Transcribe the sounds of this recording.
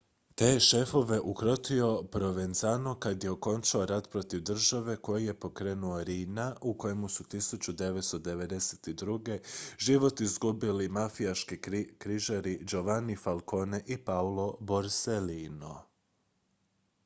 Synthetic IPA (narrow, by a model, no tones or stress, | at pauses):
t̪eːʃe̞fo̞ʋe̞ʔukɾo̞t̪io̞pɾo̞ʋe̞nzanokad̪je̞o̞ko̞nt͡ʃaoɾat̪pɾo̞t̪iʋd̪r̩ʒaʋe̞ko̞jije̞po̞kɾe̞ːnuo̞ɾiːnaʔuko̞jemusut̪isut͡ɕud̪e̞ʋet̪st̪od̪e̞ʋe̞d̪e̞set̪id̪ɾuɡe̞ʒiʋo̞t̪izɡubilimafijaʃkikɾiʒaɾid͡ʒo̞ʋanifalˠko̞ne̞ʔipaulˠo̞boɾselino